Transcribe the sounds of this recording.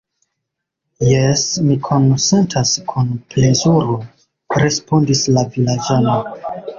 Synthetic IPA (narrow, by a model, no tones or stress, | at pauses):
jesmikʰo̞nse̞ntʰaskʰunple̞zuɾo | ɾe̞spo̞ndislavilad͡ʒano̞